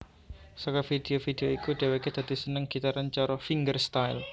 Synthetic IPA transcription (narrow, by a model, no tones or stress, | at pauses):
sɔkɔfid̪̥eofid̪̥eoikuɖ̪̥eweked̪̥a̤d̪̥i̤sənəŋɡ̥it̪aɾant͡ʃɔɾɔfiŋɡərst̪ajl